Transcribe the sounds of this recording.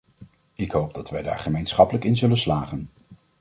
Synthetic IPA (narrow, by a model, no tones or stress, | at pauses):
ɪkɦowb̚dɑtʋɛjda̰ːɹχəmejnsχɑpələkɪnzɵlənslaːχən